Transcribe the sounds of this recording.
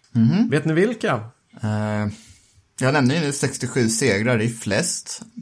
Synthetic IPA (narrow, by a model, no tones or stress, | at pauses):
m̩hm̩ːveːt̪̚nɪvɪlka | jɑːɡnɛmnəɪnʉːsɛkst̪ɪɧʉ̟ːseːɡɾaɾɪflɛst̪